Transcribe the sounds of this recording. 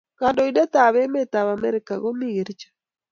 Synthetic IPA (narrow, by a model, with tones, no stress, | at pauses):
ka˨ndɔ˨i˦dɛ˦ta˨βe˦me˦ta˨βa˨mɛ˦ɾeka˨ɣo˦mi˦ɣe˨ɾt͡ʃḁ